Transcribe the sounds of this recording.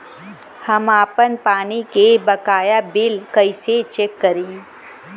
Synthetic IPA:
hɐmaːpənpaːnikebɐkaːjabɪlkɐiset͡ʃeːkːɐɾiː

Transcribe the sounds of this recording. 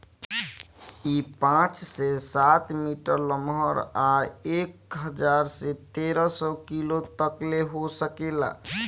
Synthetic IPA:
ipãt͡ʃsesat̪miʈəɾləmɦəɾaekɦəd͡ʒaɾset̪eɾəsɔkilot̪əkleɦosəkela̰

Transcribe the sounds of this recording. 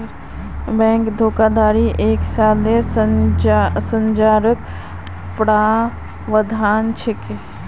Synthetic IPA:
bɛ̃ːŋkd̪ʱoːkaːd̪aːɾiʔeːksaːle | sə̃ɲd͡ʒaːɾək | pɽaː | ʋəd̪ʱaːnt͡ʃʰɪke

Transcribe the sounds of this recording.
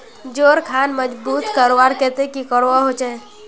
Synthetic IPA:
d͡ʒoːɾkʰaːnməd͡ʒbuːt̪kəɾowaɾkɛt̪ekikəɾʋaɦot͡ʃaɛ̃

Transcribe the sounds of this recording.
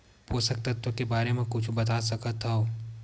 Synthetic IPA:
poːsək̚t̪ɐt̪wəkebaːɾemẽkʊt͡ʃʰbɐt̪aːsɐkət̪aɦoː

